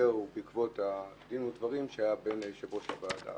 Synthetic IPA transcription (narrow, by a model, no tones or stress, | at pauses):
eʁubikvo̞tad̪inutdvaʁimʃeajabenʃeboʃavaːda̰